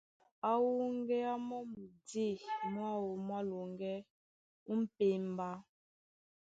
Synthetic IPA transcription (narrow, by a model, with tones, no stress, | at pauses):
a˦wu˦ŋ˦ɡɛ˦a˦mɔ˦mu˨de˦˨mwa˦wo˨m˦a˦lu˨ŋɡɛ˦ | u˦m̩˦pe˨mba˦